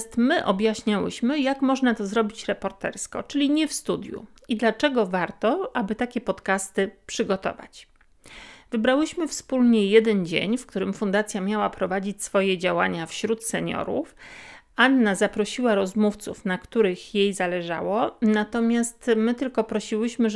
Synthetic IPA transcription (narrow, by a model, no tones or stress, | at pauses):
st̪mɘʔɔbʲjaɕɲawɘ̰ɕmɘjakmɔʐnat̪ɔzɾɔbʲit͡ɕɾɛpɔɾt̪ɛ̰ɾskɔ̰t͡ʂɘlʲiɲɛfst̪ud̪ʲjṵ | id̪lat͡ʂɛɡɔvaɾt̪ɔʔabɘt̪akʲɛpɔt̪kast̪ɘpʂɘɡɔt̪ɔ̰va̰t͡ɕ | vɘbɾawɘɕmɘfspulɲɛjɛd̪ɛnd͡ʑḛɲfkt̪uɾɘmfund̪at̪sʲjamʲjawapɾɔvad͡ʑit͡ɕʲsfɔjɛd͡ʑawaɲafɕɾut̪sɛɲɔ̰ɾṵf | anːazapɾɔɕiwaɾɔzmuft̪sṵfnakt̪uɾɘxjejzalɛʐa̰wɔnat̪ɔmʲjast̪mɘt̪ɘlkɔpɾɔɕiwɘɕmɘ